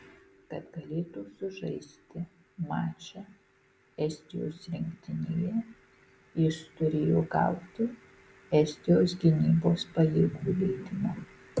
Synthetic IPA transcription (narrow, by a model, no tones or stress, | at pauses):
kɐt̪ɡɐlʲeːt̪uːsʊʒɐɪsʲt̪ʲɪ | mɑːt͡ʃʲɛ | ɛsʲt̪ʲɪjo̰ːsɾʲɪŋʲkt̪ʲɪnʲeːjɛ | ɪʃt̪ʊɾʲeːjoːɡɑ̰ˑʊt̪ʲʊ | ɛsʲt̪ʲɪjoːsɡʲɪnʲiːboːspɐjɛɪɡuːlʲɛɪd̪ʲɪmoː